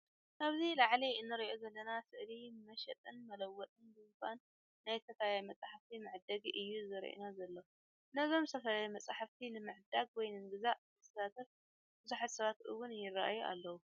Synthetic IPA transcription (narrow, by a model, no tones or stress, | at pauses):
ʔaβzilaʕliɨnːɨɾiʔo̞zɐlːɐnasɨʔlimɐʃɛt̪ʼɨnmɐlɐwːɔt̪ʼɨnbɨzɨkanː | ajt̪ʰɐt̪ʰajajmɐt͡sʼaħaft̪ʰimɨʕd̪ɐɡiʔɨjːuzɨɾḭʔṵnazɐlːɐ | nɐzo̞mst̪ʰɐfɐlajimɐt͡sʼaħaft̪ʰinɨmɨʕd̪aɡ̚wɔjnɨnɡɨzaʔʰ | ɐsɐsat̪ʰɐf | b̥ɨzuħat̪sɐβat̪ʔɨwʊnjɪra̰ʔajuʔa̰lːɐwu